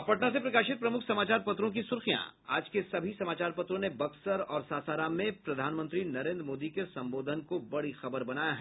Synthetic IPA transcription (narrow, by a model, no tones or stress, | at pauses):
ɐpɐʈnasepɾɐkaːʃɪt̪̚pɾɐmʊkʰsɐmaːt͡ʃaːɾpɐt̪ɾõk̬isʊɾxijã̰a̰ːd͡ʒkesɐbʱisɐmaːt͡ʃaːɾpɐt̪ɾõnebɐksəɾɔːɾsaːsaːɾaːmːẽpɾɐd̪ʱaːnmə̃nt̪ɾinɐɾẽːnd̪ɾmoːd̪ikesɐ̃mboːd̪ʱənkobɐɽixɐbəɾbɐnaːjaɦɛː